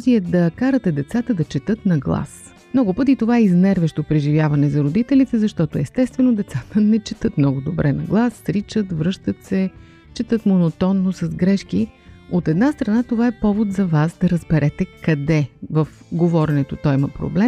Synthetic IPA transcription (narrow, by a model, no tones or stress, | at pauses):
ziɛd̪ɐkaɾət̪ɛd̪ɛt̪sat̪əd̪ɐt͡ʃɛt̪ɤt̪nɐɡlˠa̰s | mnɔɡʊpɤt̪̬it̪ovaɛiznɛɾvɛʃt̪opɾɛʒivʲjavɐnɛzɐɾod̪it̪ɛlit̪ɛzɐʃt̪ɔt̪oɛst̪ɛst̪vɛnod̪ɛt̪sat̪ənɛt͡ʃɛt̪ɤt̪mnɔɡʊd̪obɾʔɛnɐɡlˠasːɾit͡ʃət̪vɾɤʃt̪ət̪sɛ | t͡ʃɛt̪ɤt̪monot̪ɔnːosɐzɡɾɛʃkiot̪ɛd̪nast̪ɾɐnat̪ovaɛpɔvot̪zɐvasd̪ɐɾəzbɛɾʔɛt̪ɛkɐd̪ɛvɐf | ɡovɔɾɛnɛt̪ot̪ɔjimɐpɾo̰blɛm